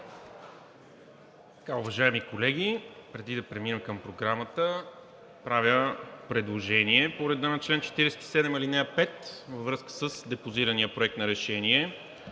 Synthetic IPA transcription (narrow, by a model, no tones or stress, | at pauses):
t̪ɐ̥kaʊvɐʒaɛmikolɛɡʲipɾɛd̪id̪ɐpɾɛminɛmkəmpɾoɡɾamət̪ə | pɾavʲjəpɾɛd̪lˠoʒɛniɛpoɾɛd̪anɐt͡ʃlɛnt͡ʃɛ̥t̪iɾɛsɛt̪i̥sɛd̪ɛmilinɛɐpɛt̪vəvɾɤskə̥səsd̪ɛpoziɾənijəpɾoɛk̚t̪nɐɾɛʃɛniɛ